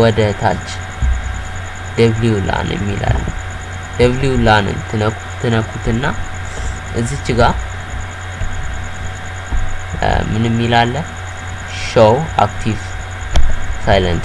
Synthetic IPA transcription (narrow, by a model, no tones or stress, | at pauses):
wɔd̪ət̪ʰa̰t͡ʃː | d̪əβljula̰njə̰mːila̰lːə̰ | d̪̥əβljulanɨ̰nt̪ʰɨnək | t̪ʰɨnəkːut̪ɨnːa | ʔɨzit͡ʃːɪɡa | mɨnɨmːilalːəh | ʃəwa̰kt̪ʰiv | sajlə̰ns